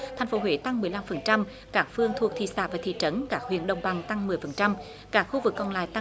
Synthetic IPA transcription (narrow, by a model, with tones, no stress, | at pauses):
t̪ʰa˨˩ŋ̟fo˨˦ɦwḛ˧˩˦t̪a˧ŋmɨ˨˩əjla˧mfə˨˩nt͡ɕa˧m | kaː˦˥k̚fɨ˧əŋt̪ʰu˨˩ət̪ʰḭ˧˨saː˧˥vaː˨˩t̪ʰḭ˧˨t͡ɕə˨˦nkaː˦˥k̚hwḭ˧˨ənɗə˨wŋ͡mɓa˨˩ŋt̪a˧ŋmɨ˨˩əjfə˨˩nt͡ɕa˧m | kaː˦˥k̚xu˧vɨ˨˩kːɔ˨nla̰ː˧˨jt̪a˧